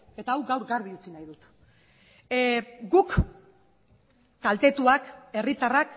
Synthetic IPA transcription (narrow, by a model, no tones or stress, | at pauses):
e̞t̪aːwɡawɾɡaɾβiut͡sinajðut̪ | ɡuk | alt̪e̞t̪uake̞rit̪arak